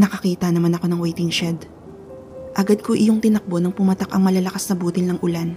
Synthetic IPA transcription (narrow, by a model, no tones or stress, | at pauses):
nɐkɐkiːt̪ɐnɐmanɐko̞nɐŋwɛjt̪ɪŋʃɛd̪ | ʔɐɡad̪̚koʔɪjoŋt̪ɪnɐk̚bo̞nɐŋpʊmɐt̪akɐŋmɐlɐlɐkasnɐbuːt̪ɪlnɐŋʔʊlan